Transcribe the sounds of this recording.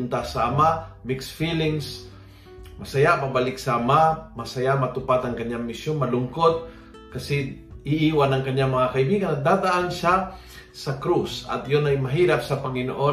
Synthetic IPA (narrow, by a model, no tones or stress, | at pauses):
ʊnt̪asɐʔɐmaʔmɪksfilɪŋs | mɐsɐjaʔmabalɪksaɐmamɐsɐjamɐt̪ʊpat̪ɐŋkɐɲaŋmɪsjonmɐlʊŋkot̪̚ | kɐsɛɪʔiːwanɐŋkɐɲːaŋmɐŋakɐibiːɡanɐɡ̚d̪ad̪aʔanʃa | sɐkɾusɐ̰t̪jonɐjmɐɦiːɾap̚sɐpɐŋɪno̰ʔo